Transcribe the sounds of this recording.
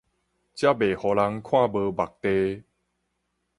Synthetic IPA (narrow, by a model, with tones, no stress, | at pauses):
t͡ɕja˦be˨˩hɔ˨la˧ŋkʰw̃ã˥˨bə˧ba˨˩k̚t̪e˧